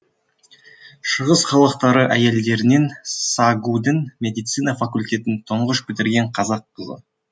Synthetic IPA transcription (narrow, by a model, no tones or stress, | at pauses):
ʃəʁəsχɑlˠəq̚t̪ɑɾəʔæje̞ld̪e̞ɾɪne̞nsɑɡud̪ɪnmʲe̞d̪ijt̪sijnɑfakulʲt̪ʲe̞t̪ɪnt̪ʰoɴʁəʃbɪt̪ɪɾɡʲe̞ɴqʰɑzɑqːəzə̰